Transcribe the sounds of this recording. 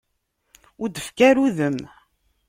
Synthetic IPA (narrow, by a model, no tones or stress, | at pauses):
ʊɾd̪əfkæɾuðəm